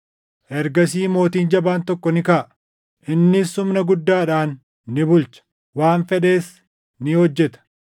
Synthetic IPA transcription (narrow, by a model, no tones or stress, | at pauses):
ʔɛɾɡɐsiːmo̞ːt̪iːnd͡ʒɐbaːnt̪ɔkːɔnɪkaʔ | ʔɪnːɪsːʊmnɐɡʊd̪ːaːᶑaːnː | ɪbʊlt͡ʃɐ̥ | waːnfɛᶑe̞ːs | nɪhɔd͡ʒːɛt̪ɐ̥